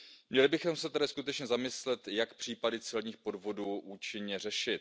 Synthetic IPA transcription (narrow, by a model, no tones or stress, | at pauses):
mɲɛlɪbɪxomsɛt̪ɛdɪskut̪ɛt͡ʃɲɛzamɪslɛt̪jakpr̝̥iːpadɪt͡sɛlɲiːxpo̞dvo̞duːʔuːt͡ʃɪɲɲɛr̝ɛʃɪt̪